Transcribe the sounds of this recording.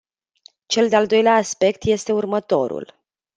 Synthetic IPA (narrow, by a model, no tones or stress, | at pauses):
t͡ʃe̞ld̪eald̪o̞jleaːspe̞kt̪je̞st̪e̞urmət̪o̞̰ɾṵl